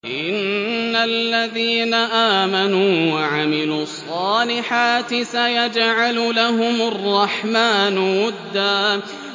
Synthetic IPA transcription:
ʔɪnːalːaðiːnaʔaːmanuːwaʕamɪluːɑsˤːɑːlɪħaːt̪ɪsajad͡ʒʕalʊlaɦʊmɑrˤːɑħmaːnwʊd̪ːaː

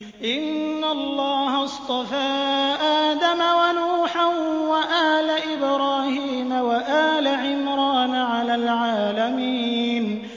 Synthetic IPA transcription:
ʔɪnːalːɑːɦɑst̪ˤɑfaːʔaːd̪amawanuːħanwaʔaːlaʔɪbɾɑːhiːmawaʔaːlaʕɪmɾɑːnʕalaːlʕaːlamiːn

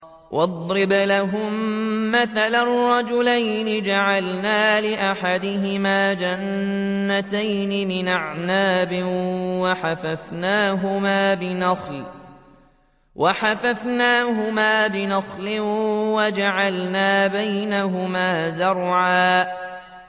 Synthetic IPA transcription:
wʔɑd̪ˤɾɪblaɦʊmːaθalarːɑd͡ʒʊlajnɪd͡ʒaʕalnaːlɪʔaħad̪ɪɦɪmaːd͡ʒanːat̪ajnɪmɪnʔaʕnaːbɪwaħafafnaːɦʊmaːbɪnɑxl | wʔaħafafnaːɦʊmaːbɪnɑxlɪwad͡ʒaʕalnaːbajnaɦʊmaːzʊɾˤʕaː

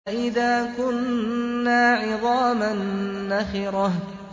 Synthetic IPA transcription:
ʔɪðaːkʊnː | aːʕɨðˤɑːmanːaxɪɾɑ

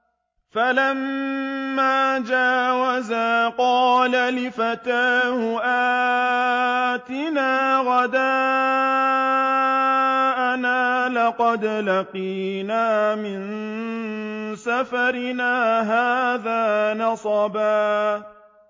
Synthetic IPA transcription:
falamː | aːd͡ʒaːwazaːqɑːlalɪfat̪aːhʊʔaː | t̪ɪnaːɣad̪aː | ʔanaːlɑqɑd̪laqiːnaːmɪn | safaɾɪnaːɦaːðaːnɑsˤɑbaː

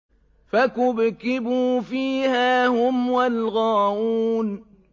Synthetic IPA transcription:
fakʊbkɪbuːfiːhaːhʊmwalɣaːʔuːn

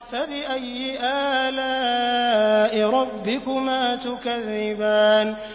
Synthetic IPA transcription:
fabɪʔajːɪʔaːla | ʔɪɾˤɑbːɪkʊmaːt̪ʊkaðːɪbaːn

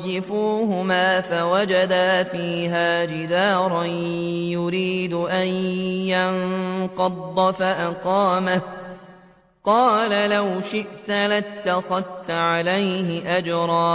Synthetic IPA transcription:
ɪfuːɦʊmaːfawad͡ʒad̪aːfiːɦaːd͡ʒɪd̪aːɾˤɑjʊɾiːd̪ʊʔanjanqɑd̪ˤːɑfaʔaqɑːmah | qɑːlalawʃɪʔt̪lat̪ːaxaðt̪ʕalajɦɪʔad͡ʒɾˤɑː

